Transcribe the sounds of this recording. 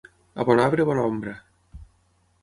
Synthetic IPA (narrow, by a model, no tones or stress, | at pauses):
a̰βɔnaβɾeβɔnɔmbɾa